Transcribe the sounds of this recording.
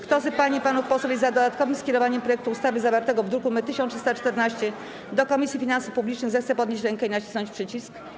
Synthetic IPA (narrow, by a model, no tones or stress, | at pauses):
kt̪ɔzɘpaɲipanufpɔsɔvʲezad̪ɔd̪at̪̚kɔvɘmskʲɛɾɔvaɲɛmpɾɔjɛk̚t̪uust̪avɘzavaɾt̪ɛɡɔvd̪ɾuɾkumɘt̪ɘɕɔ̃nt̪ʂst̪at͡ʂt̪ɛɾnaɕt͡ɕɛ | d̪ɔkɔmʲisʲifʲinansufpublʲit͡ʂnɘɣzɛxt̪sɛpɔd̪ɲeɕt͡ɕɾɛŋkɛinat͡ɕi̥snɔɲt͡ɕpʂɘt͡ɕisk